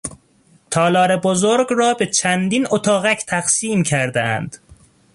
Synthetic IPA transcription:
t̪ʰɒːlɒːɾebozoɾɡrɒːbe̞t͡ʃʰænd̪iːnot̪ʰɒːɣæcʰt̪ʰæɣsiːmcʰæɾd̪eæ̰nd̪̥

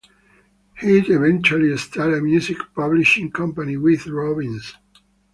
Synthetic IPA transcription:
hidevɛ̃nt͡ʃualist̪ʰɛləmjuzikpʌbliʃĩŋkʰʌ̃mpaniwiðɹɔbĩns

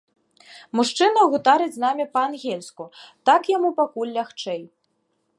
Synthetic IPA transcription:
muʂt͡ʂɨnɐɣut̪aɾɨd͡zʲznamʲipɐanɣʲelʲskut̪akjamupakulʲːaxt͡ʂɛj

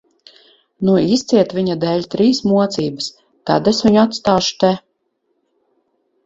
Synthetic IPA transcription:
nuist̪siɛt̪vʲiɲad̪ɛːʎʲt̪ɾiːsmuɔt̪siːbɨs | ka̰d̪esviɲuat̪st̪aːʃu̥t̪ɛ

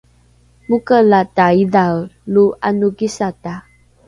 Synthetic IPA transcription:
mukəlataidawluʔanuɡisata

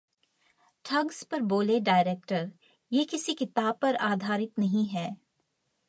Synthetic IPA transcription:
ʈʰɐɡspɐɾboːleɖaːɪɾeːk̚ʈəɾ | jeːkɪsikɪt̪aːb̚pɐɾaːd̪ʱaːɾɪt̪nɐɦĩɦɛː

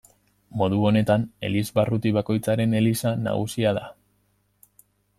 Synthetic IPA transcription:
mo̞ðuo̞ne̞t̪ane̞̰lizβarut̪iβako̞jt͡saɾe̞ne̞lisana̰ɣusiaða

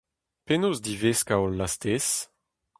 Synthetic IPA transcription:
penozd̪iveskaɔlːast̪es

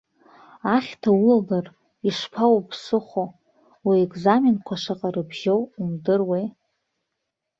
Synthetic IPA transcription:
aχʲtʰaulalar | iʂpʰawpʰsɨχo | wiekʼzamenkʷʰaʂaqʼaɾɨbʒowimdɨrwej

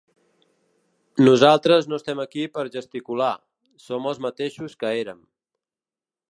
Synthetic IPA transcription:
nuzalˠt̪ɾəznoəst̪ɛməkipəɾʒəst̪ikula | soməlˠzmət̪eʃuskəeɾəm

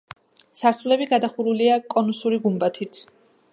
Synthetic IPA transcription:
saɾt̪sʰulɛbiɡad̪aχuɾuliakʼɔnusuɾiɡumbat̪ʰit̪ʰ

